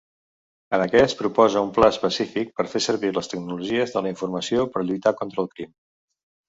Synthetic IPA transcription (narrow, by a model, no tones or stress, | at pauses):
ənəkɛspɾupɔzəumplaəspəsifik̚pəɾfesəɾβiləst̪əɡnuluʒiəzðələiɱfurməsiopəɾʎujt̪akɔnt̪ɾəːlˠkɾim